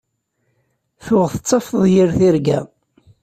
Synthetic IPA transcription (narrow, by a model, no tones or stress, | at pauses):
θʊʁθət͡sːɑfðˤjiɾθiɾɡæ̰